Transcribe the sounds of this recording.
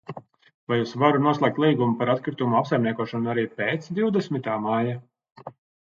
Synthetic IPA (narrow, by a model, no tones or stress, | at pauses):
vajuːsvaɾunuɔslˠɛk̚t̪lˠiːɡumupaɾat̪kɾit̪umuapsajmniɛkuɔʃɔnuaɾiːpeːt̪sd̪iwd̪ɛsmit̪aːmaja